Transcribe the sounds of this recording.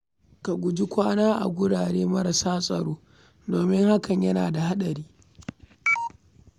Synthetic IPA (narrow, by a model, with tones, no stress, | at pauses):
ka˨ɡʷʊ˨d͡ʒi˦kʷaː˦naː˦ʔa̰˨ɡʷʊ˦ɽaː˨ɽeː˦mɐ˦ɾa˨saː˦sʼɐ̰˨ɽoː˦ | doː˨mɪ˦ŋha˦kɐ˨ɲjɐ˦na̰ː˨da˨ha˦ɗɐ˨ɾiː˦